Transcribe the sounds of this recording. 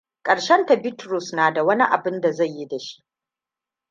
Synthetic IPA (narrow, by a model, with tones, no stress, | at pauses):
kʼɐ˨ɽʃɛ˦nta˨bɪ˦tɾʊ˦˨snaː˨da˨wɐ˦ni˦ʔa˨bɪ˦nda˨za˦˨jːi˦da˨ʃi̥˦ʔ